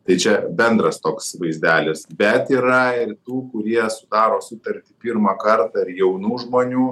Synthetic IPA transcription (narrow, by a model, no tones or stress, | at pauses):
t̪ɐɪt͡ʃʲɛbʲɛnd̪ɾɐst̪oːksʋɐɪzʲd̪ʲæːlʲɪsbʲɛt̪iːɾɐɪrt̪uːkʊɾʲiɛsʊd̪ɑːɾoːsʊt̪ɐɾʲt̪ʲɪpʲiɾmɐkɐrt̪ɑɪɾjɛʊnuːʒmoːnʲuː